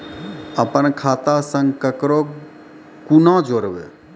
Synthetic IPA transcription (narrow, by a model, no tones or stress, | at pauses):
əpənkʰaːt̪asə̃ŋɡkəkɾo | kunãd͡ʒoɾʋḛ